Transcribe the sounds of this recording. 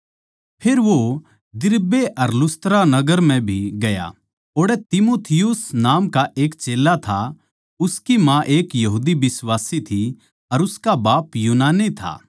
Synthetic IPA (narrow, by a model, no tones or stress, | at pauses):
pʰeːɾʋo | d̪ɪɾbeʔɐɾlʊst̪ɾanɐɡəɾmɛ̃bʱiɡɐja̰ | oːɽet̪ɪmoːt̪ʰɪjʊsnaːmkaʔeːkt͡ʃeːlat̪ʰa | ʊskimãʔeːkjɐɦuːd̪ibɪsʋaːsit̪ʰi | ɐɾʊskabaːpjuːnaːnet̪ʰa̰ː